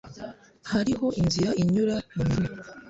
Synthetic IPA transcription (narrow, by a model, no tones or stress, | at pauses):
haɾiɦo̞ʔinziɾaiɲuɾaini